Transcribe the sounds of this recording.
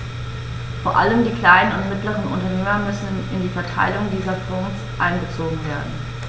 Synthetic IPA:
foːɐʔa̰ləmdiːkl̥aɪnənʊntmɪtləʁ̞ənʊ̰ntɐneːmɐmʏsn̩ɪndiːfɛɐtʰa̰ɪlʊŋdiːzɐfɔːns | ʔa̰ɪnbət͡soːɡŋ̩veːɐdn̩

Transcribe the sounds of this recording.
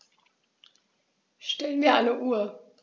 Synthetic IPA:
ʃtɛlənviːɐʔaɪnəʔuːɐ

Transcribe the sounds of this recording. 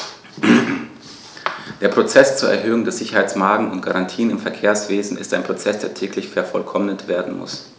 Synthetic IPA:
d̥eːɐpʁ̥ot͡sɛst͡suːɐʔɛ̰ɐɦøːʊŋdeɛɐz̥ɪçɐhaɪt͡smaɐɡŋ̩ʊntɡ̥aʁantʰiːənɪmfɛɐkʰeːɐsv̥eːzn̩ɪ̰staɪnpʁ̥ot͡sɛsd̥eːɐtʰɛːklɪçfɛɐfɔlkʰɔmnətv̥eːɐdn̩mʊ̰s

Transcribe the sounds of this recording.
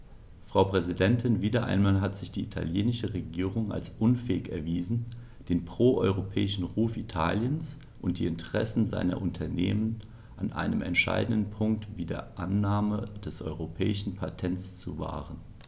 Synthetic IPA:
fʁ̥aʊpʁ̥ɛzidɛntʰɪnviːdɐʔa̰ɪnmaːlɦatz̥ɪçd̥iːitʰa̰ljeːnɪʃəʁeɡiːʁʊŋa̰lsʔʊnfɛːɪkɛɐviːzn̩ | d̥eːnpʁ̥oːʔɔʏʁopʰɛːɪʃn̩ʁuːfitʰa̰ːljəns | ʔʊnt̚d̥iːɪntʰəʁ̥ɛsn̩za̰ɪnɐ̰ʔʊntʰɐnḛːmən | ʔanʔa̰ɪnəmɛ̰ntʃa̰ɪdn̩dən̩pʰʊŋk̚tviːdḛːɐʔanːaːməd̥ɛsʔɔ̰ʏʁopʰɛːɪʃn̩pʰatʰɛnt͡st͡suva̰ːʁən

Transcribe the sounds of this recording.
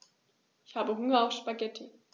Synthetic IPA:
ʔɪçhaːbəɦʊŋɐaʊfʃpaɡɛtʰə

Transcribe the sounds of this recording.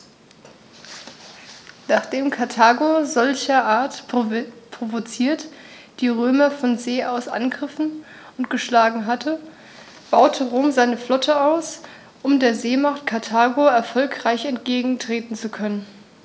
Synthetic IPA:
naːχd̥eːmkʰaɐtʰaːɡozɔlçɐʔaːɐt | pʁ̥ovot͡siːɐt | d̥iːʁøːmɐfɔnzeːʔaʊsʔa̰nɡʁɪfn̩ | ʊntɡ̥əʃlaːɡŋ̩ɦatʰə | b̥aʊtʰəʁoːmzaɪnəflɔtʰəaʊs | ʔʊmdeːɐzeːmaχtkʰaɐtʰaːɡoɛɐfɔlkʁ̥aɪçɛntɡ̥eːɡŋ̩tʁ̥eːtn̩t͡sukʰœnən

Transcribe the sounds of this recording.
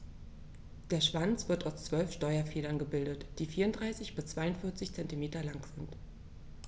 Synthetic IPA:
d̥eːɐʃv̥ant͡sv̥ɪɐtaʊst͡sv̥œlfʃtɔʏɐfeːlɐnɡəbɪldətd̥iːfiːɐʊndʁaɪsɪçb̥ɪst͡sv̥aɪʊntfɪɐt͡sɪçt͡sɛntimeːtɐlaŋz̥ɪnt

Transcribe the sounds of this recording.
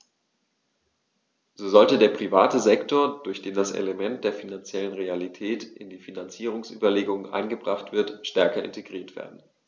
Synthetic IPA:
z̥oːzɔltədeːɐpʁ̥ivaːtəzɛktʰoːɐd̥ʊɐçd̥eːndasʔḛləmɛnt̚d̥eːɐfinant͡sjɛlənʁealitʰɛːtʔɪ̰ndiːfinant͡siːʁ̞ʊŋsʔy̰ːbɐleːɡʊŋənʔa̰ɪnɡəbʁaχtv̥ɪɐtʃtɛɐkɐɪ̰ntʰeɡʁiːɐtv̥ḛːɐdn̩

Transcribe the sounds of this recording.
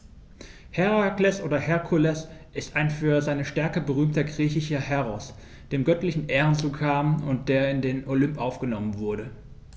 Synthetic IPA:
hɛʁaklɛsʔoːdɐhɛɐkʰulɛsʔɪstaɪnfyːɐzaɪnəʃtɛɐkəbəʁ̞yːmtɐɡʁiːçɪʃɐhɛʁɔs | d̥eːmɡœtlɪçn̩ʔeːʁənt͡suːkʰaːmʊnt̚d̥eːɐɪndeːnolʏmpʔaʊfɡ̥ənɔmənvʊɐɾə

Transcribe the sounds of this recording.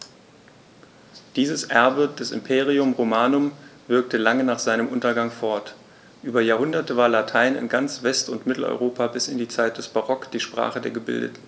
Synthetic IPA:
d̥iːzəsʔɛɐbəd̥ɛsɪ̰mpʰeːʁiʊmʁomaːnʊmvɪɐk̚təlaŋənaːχz̥aɪnəmʔʊntɐɡaŋfɔɐt | ʔyːbɐjaːɐhʊndɐtəvaːɐlatʰaɪnɪ̰nɡant͡sv̥ɛstʊntmɪtl̩ɔ̰ʏʁoːpʰabɪsɪndiːt͡saɪt̚d̥ɛsb̥aʁɔkd̥iːʃpʁ̥a̰ːχədeːɐɡəbɪ̰ldə̰tn̩

